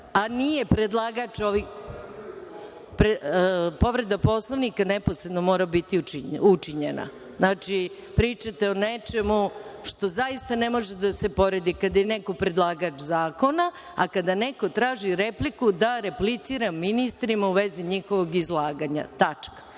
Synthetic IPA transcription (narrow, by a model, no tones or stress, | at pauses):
anijepɾed̪lˠaːɡat͡ʃoʋi | pɾepo̞ʋɾe̞d̪apo̞slˠoʋnikaneposɾed̪no̞mo̞ːɾabit̪iut͡ʃiɲena̰ | znaːt͡ʃi | pɾiːt͡ʃat̪eonet͡ʃemuʃt̪o̞zaist̪anemo̞ʒed̪ase̞po̞ɾed̪ikad̪ajeneko̞pɾe̞d̪lˠaːɡat͡ʃzaːko̞na | akad̪aneko̞t̪ɾaːʒiɾeplikud̪aɾeplit̪siɾamːinist̪ɾimauʋe̞ziɲixoʋoɡizlˠaːɡaɲa̰t̪at͡ʂkḁ